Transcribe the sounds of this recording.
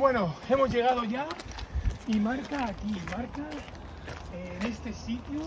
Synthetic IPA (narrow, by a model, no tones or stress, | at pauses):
bwe̞noe̞mo̞zʝe̞ɣ̞að̞oʝa | imaɾkaːkimaɾka | ene̞st̪e̞sit̪ju